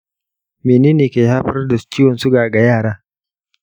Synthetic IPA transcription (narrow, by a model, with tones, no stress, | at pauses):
meː˨neː˦neː˨keː˨haː˦ɸɐ˦rda˨t͡ʃiː˦wɔ˨nsu˦ɡaː˨ɡa˨jaː˦˨ɽaː˦